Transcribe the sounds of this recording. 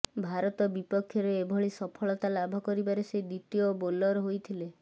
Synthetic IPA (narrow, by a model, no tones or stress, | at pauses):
bʱaɾɔt̪ɔbipɔkʰːjɔɾeːbʱɔɭisɔpʰɔɭɔt̪alabʱɔkɔɾibaɾesed̪it̪iobolɔɾɔɦojt̪ʰile